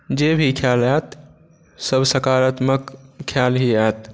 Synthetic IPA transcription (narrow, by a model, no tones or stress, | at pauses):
d͡ʒebʱikʰjalɛt̪ | səbsəkaɾət̪məkʰːjalɦiɛt̪